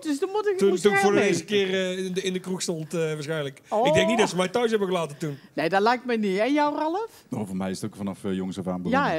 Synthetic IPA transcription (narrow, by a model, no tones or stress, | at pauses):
d̥øsdɔmutɪkuntunfoːɹdəezəkɪːrnɪndəkruxstɔntəʋaːɹsxɛjnləkɪɡ̚dɛŋknitdɑtsəmɛjtœɥs̬ɦɛbəɣəlaːtəntunnejdɑtlɛjk̚tmɛjniɛjawrɑləfmaovɔmɛjɪsətokfɑnɑfjɔŋəsɔfa̰ːmbja